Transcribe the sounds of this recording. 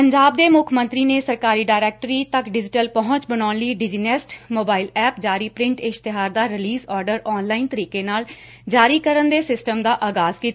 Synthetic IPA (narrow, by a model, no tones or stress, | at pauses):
pəɲd͡ʒaːb̚d̪eːmʊkʰmə̃nt̪ɾiːneːsəɾkaːɾiːɖaːɪɾɛːk̚ʈɾiːt̪əkɖɪd͡ʒɪʈəlpəɦʊ̃ɲt͡ʃbəɽaːnliːɖɪd͡ʒiːnɛsʈmoːbaːɪilɛːp̚d͡ʒaːɾiːpɾɪ̃ɳʈɪʃt̪ɪɦaːɾd̪aːɾɪliːzɔːɾɖəɾɔːnlaːint̪əɾiːkeːnaːl | d͡ʒaːɾiːkəɾənd̪eːsɪsʈəmd̪aːʔaːɡaːzkiːt̪a